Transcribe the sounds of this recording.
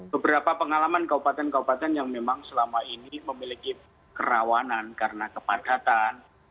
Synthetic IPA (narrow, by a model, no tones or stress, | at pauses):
b̥əbəɾapapəŋalamankaupat̪ɛnkaupat̪ɛnjaŋmemaŋsəlamainiməmiliki | kəɾawanankaɾənakəpad̥at̪an